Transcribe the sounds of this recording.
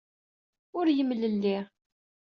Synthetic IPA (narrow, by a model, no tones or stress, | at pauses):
ʊɾjəmləlːi